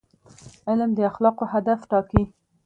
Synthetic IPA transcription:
ɪlmd̪əaxlɑqoɦad̪afʈɑki

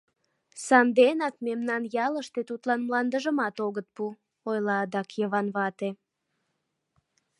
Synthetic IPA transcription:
sɑnd̪enɑkmemnɑnjɑləʃt̪et̪ut̪lɑnmlɑnd̪əʒəmɑt̪oɣət̪̚pu | ojlɑd̪ɑkjəβɑnβɑt̪e

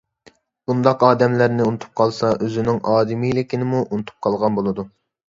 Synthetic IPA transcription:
b̥und̪ɑqɑːd̪ɛmlæɾnɪunɨt̪ʰu̥p̚qʰɑlˠsɑʔøzɪnɪŋʔɑːd̪ɪmijlɪkʲʰinɪmuʔunɨt̪ʰu̥p̚qʰɑlˠʁɑnbolˠɨd̪u

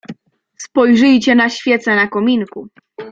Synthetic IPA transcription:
spɔjʐɘjt͡ɕɛnaɕfʲjɛt̪sɛnakɔmʲiŋku

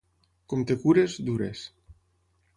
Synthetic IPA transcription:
komt̪ekuɾezd̪uɾḛs

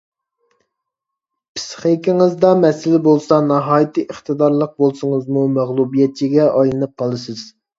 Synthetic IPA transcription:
pʰɪ̥sχekʲiŋɨzd̪ɑmɛsɪlɪbolˠsɑnɑɦɑːjit̪ʰɨʔəχt̪ɨd̪ɑɾlˠəq̚bolˠsʊŋəzmumæʁlˠubijɛt̪̚t͡ʃʰiɡʲɛʔɑjlˠɨnɨp̚qʰɑlˠɨsɨz̥

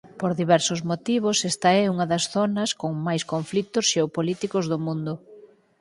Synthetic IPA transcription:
poɾðiβɛɾsʊzmot̪iβ̞ʊsɛst̪ɐɛuŋɐðɐsθonɐskoŋmajskoɱflit̪ʊsʃeopolit̪ikʊzðʊmũnd̪ʊ

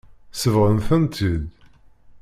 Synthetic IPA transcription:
səvʁəmθənt̪ʰid̪

